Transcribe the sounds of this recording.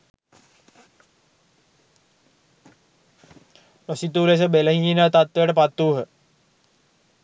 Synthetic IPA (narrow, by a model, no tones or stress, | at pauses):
losit̪uːles̬əbeləɦiinət̪at̪ʋejəʈəpat̪ːuːɦə